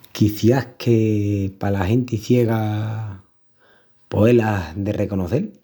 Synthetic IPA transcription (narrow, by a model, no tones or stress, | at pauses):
kiθjahkʰepalaɦe̞nt̪iθje̞ɣa | po̞e̞lahðerʔe̞ko̞noθe̞l